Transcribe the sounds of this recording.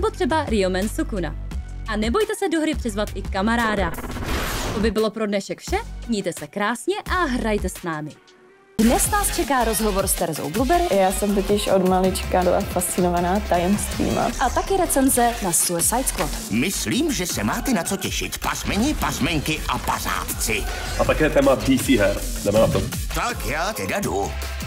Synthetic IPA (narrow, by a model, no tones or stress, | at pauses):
nɛbo̞t̪r̥ɛbaɾɪomɛnsukuna̰ | ʔanɛbo̞jt̪ɛsɛdoɦɾɪpr̥ɪzvat̪ʔɪkamaɾaːda | obɪbɪlo̞pɾodnɛʃɛkfʃɛɲiːt̪ɛsɛkɾaːsɲɛʔaɦɾajt̪ɛsnaːmɪ | dnɛsnaːst͡ʃɛkaːɾozɦovo̞ɾst̪ɛɾɛzo̰wblubɛɾɪjaːsɛmt̪ocɪʃʔodmalɪt͡ʃkadola̰fast͡sɪnovanaːt̪ajɛmst̪vḭːma̰ʔat̪akɪɾɛt͡sɛnzɛnasuɛsajsklot̪mɪsliːmʒɛsɛmaːt̪ɛnat͡socɛʃɪ̰t̪pazmɛɲɪpazmɛɲkɪʔapa̰za̰ːt̪t͡sɪ | ʔat̪akɛːt̪ɛːmabrisiːɦɛɾ | nɛmɛnat̪ot̪akjaːt̪ɛdadu